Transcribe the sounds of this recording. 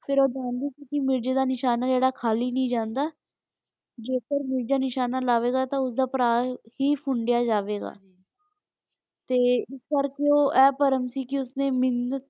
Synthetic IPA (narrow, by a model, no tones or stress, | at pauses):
pʰɪɾoːd͡ʒaːnd̪iːkɪsiːmɪɾd͡ʒeːd̪aːnɪʃaːnaːd͡ʒeːɽaːkʰaːliːnəĩːd͡ʒãːnd̪aː | d͡ʒeːkəɾmɪɾd͡ʒaːnɪʃaːnaːlaːʋeːɡaːt̪ãːʊsd̪aːpəɾaːhiːpʰʊɳɖɪjaːd͡ʒaːʋeːɡa̰ː | t̪eːɪskəɾkeoːʔɛːpəɾəmsiːkɪʊsnẽːmɪnət̪̚